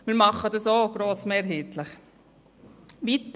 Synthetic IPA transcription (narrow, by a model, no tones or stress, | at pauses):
miːɾmɑχːədəsoːɡ̥ɾoːsmɛɾɦeːt̪ləχ | ʋit̪